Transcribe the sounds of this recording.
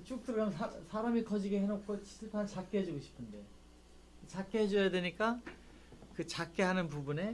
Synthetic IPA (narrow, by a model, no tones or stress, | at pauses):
t͡ɕ͈uk̚t͈ɯɡamsʰsʰaɾamikʌd͡ʑiɡeɦenok̚k͈ʰot͡ɕiɭpʰant͡ɕak͈̚eɦed͡ʑoɡoɕʰi̥pʰɯnde̞ | t͡ɕak͈eɦed͡ʑʌjadwe̞ɲik͈a | kɯt͡ɕak͈eɦanɯnpubune̞